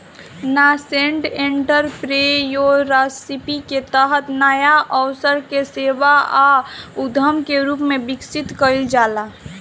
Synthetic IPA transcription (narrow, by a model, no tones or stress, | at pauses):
naseɳʈẽɳʈəɾpɾejoɾasipiket̪əɦət̪naːjaʔɔʊsəɾkeseːʋaaʊd̪ʱəmkeɾuːpmẽbɪksɪt̪kəild͡ʒaːla